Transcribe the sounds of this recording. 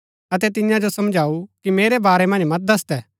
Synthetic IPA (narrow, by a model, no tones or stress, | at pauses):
ɐt̪ɛt̪ɪjãd͡ʒosɐmd͡ʒʱaːukimeːɾɛbaːɾɛmɐ̃nd͡ʒmɐt̪̚d̪ɐst̪ɛː